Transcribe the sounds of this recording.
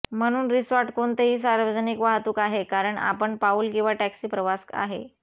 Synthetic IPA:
m̤əɽ̃uːnɾisʋaɾʈkoɳt̪eɦiːs̬aɾʋəd͡znikʋaɦt̪uːkaɦekaɾəɳa̰pəɳpauːlkiʋaʈæksiːpɾəʋaska̰ɦḛ

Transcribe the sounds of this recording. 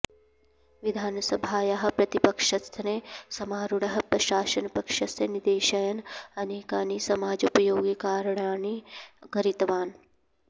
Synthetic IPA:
ʋid̪ʱaːnɐsɐbʱaːjaɦɐ̆pɾɐt̪ipɐkʂɐst̪ʰɐneːsɐmaːɾuɽɐɦɐ̆pɾɐʃaːʃɐnpɐkʂɐst̪ʰɐnid̪eːʃɐjɐnɐneːkaːnisɐmaːd͡ʒupɐjoːɡikaːɾɐɳaːnikɐɾit̪ɐʋaːn

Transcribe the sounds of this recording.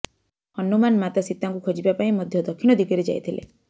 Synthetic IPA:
hɔnumanmat̪asit̪ːaŋkukʰɔd͡ʒibapaĩmɔd̪ʱjɔd̪ɔkʰiñɔd̪iɡiɾed͡ʒa̰jt̪ʰilḛ

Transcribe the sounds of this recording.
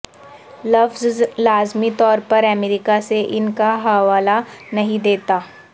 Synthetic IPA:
lɐfzlaːzmit̪ɔːɾpɐɾɐmeɾɪkaseʔɪnkaɦɐʋaːlanɐɦĩd̪eːt̪aː

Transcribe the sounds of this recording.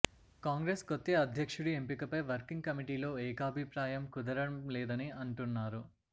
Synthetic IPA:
kaːŋɡɾeːskot̪ːeɐd̪ʱjɐkʂuɽuempikɐpɐjʋɐɾkiŋɡ̚kɐmiʈiːlo̞ːɛːkaːbʱipɾaːjɐmkud̪ɐɾɐmlɛːd̪ɐniɐɳʈunːaːɾu

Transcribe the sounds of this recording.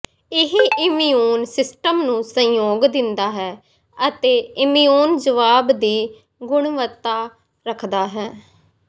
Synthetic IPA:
ɪɦiʔɪmioːnsɪsʈəmnũːsə̃joːɡd̪ɪnd̪aːɦɛː | ət̪eːɪmijoːnd͡ʒəʋaːbd̪iː | ɡʊɳʋət̪ːaː | ɾəkʰd̪aːɦɛː

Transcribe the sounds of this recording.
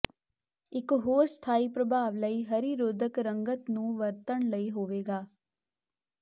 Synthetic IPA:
ɪkɦoːɾst̪ʰaːiːpɾəbʱaːʋləiːɦəɾiɾoːd̪ʱəkɾəŋɡət̪nũːʋəɾt̪əɳləiːɦoːʋeːɡaː

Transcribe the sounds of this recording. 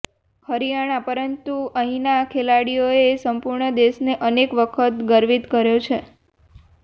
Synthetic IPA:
hʰəɾijaɽ̃apəɾənt̪uəɦĩnakʰelaɽijoesəmpuɾɳəd̪eʃneʔənekʋəkʰət̪ɡəɾʋit̪kəɾjot͡ʃʰe

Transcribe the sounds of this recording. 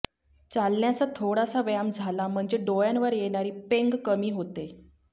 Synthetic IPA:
t͡salɳjat͡sat̪ʰoɽasaʋjamd͡zʱalam̤əɳd͡zeɖojanʋəɾjeɽ̃aɾiːpeŋɡkəmiːɦot̪e

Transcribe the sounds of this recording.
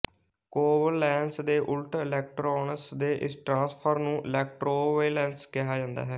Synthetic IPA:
koːbəllɛːnsd̪eːʔʊlʈɾaːɪlɛːk̚ʈɾɔːnəsd̪eːʔɪ̰sʈɾãːspʰəɾnũːʔɪlɛːk̚ʈɾoːʋeːlɛ̃ːnskɪɦaːd͡ʒãːnd̪a̰ːɦɛː

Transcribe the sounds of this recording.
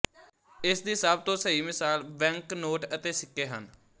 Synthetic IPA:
ɪsd̪iːsəːb̚t̪õːsəiːmɪsaːlbɛ̃ːŋknoːʈət̪eːsɪkːeːɦən

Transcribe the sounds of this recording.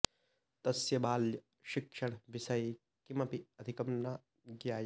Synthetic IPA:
t̪ɐsjɐbaːljɐ | ʃɪkʂɐɳ̃ʋisɐj | kimɐpiɐd̪ʱikɐmna | ɡjaː

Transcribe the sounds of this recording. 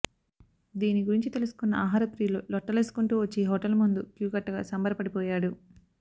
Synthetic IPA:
d̪iːniɡuɾiɲt͡ʃit̪e̞lusu̥kunːɐaːɦaːɾɐpɾiːlolɔʈːɐlesu̥kuɳʈuːʋɐt͡ʃːeːɦɔːʈɐlmund̪ukjuːɡɐʈːɐɡa̰ːsɐmbɐɾɐpɐɽipɔːjaːɽu

